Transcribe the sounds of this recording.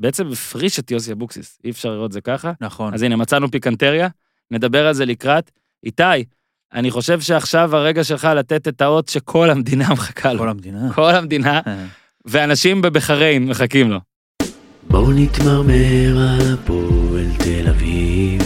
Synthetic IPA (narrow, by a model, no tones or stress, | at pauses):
beet͡se̞mbefʁiʃet̪josiabuksisiefʃaʁliʁo̞t̪̬̚ze̞kaχanazinemat͡sanupikant̪e̞ʁja | me̞d̪abe̞ʁalze̞likʁat̪ | it̪aj | a̰niχo̞ʃe̞vʃe̞aχʃavaʁe̞ɡaʃe̞lχalat̪et̪et̪ao̞tʃe̞kʰo̞lhamd̪inameχḁkʰalonkʰo̞lamd̪ina | veanaʃimbebeχaʁejmːeχakimlo̞ | bonit̪maʁmeeʁapoelt̪elaviv